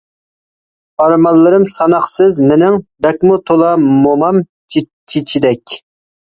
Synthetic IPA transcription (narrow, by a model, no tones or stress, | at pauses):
ɑɾmɑlˠːɨɾɨmsɑnɑχsɨzmɪnɪŋb̪ɛk̚ʲmut̪ʰolˠɑmomɑm | t͡ʃʰ | t͡ʃʰit͡ʃʰid̪ɛkʲ